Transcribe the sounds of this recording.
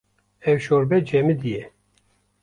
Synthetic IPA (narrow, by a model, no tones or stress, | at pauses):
ɛwʃoɾbɛd͡ʒɛmid̪ijɛ